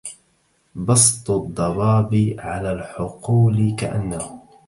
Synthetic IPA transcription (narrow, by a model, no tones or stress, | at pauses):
bɑsˤt̪ˤʊd̪ˤːɑbɑːbiʕalaːlħʊquːlɪkaʔanːahʊ